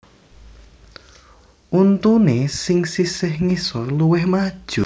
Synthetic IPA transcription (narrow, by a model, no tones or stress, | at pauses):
ʔunt̪unesɪŋsisɪhŋisɔrluwɪhmad̥ʒ̥u